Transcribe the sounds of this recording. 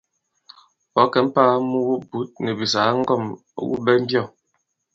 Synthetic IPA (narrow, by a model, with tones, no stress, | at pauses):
bɔ˨˦kɛ˨˦m̩˦paː˦mu˦wu˦bu˨˦t̚nɛ˨bi˨sa˨˦ŋ̩˦ɡɔ˦˨m̰˦ | wṵ˦bɛ˦m̩˦bjɔ˦˨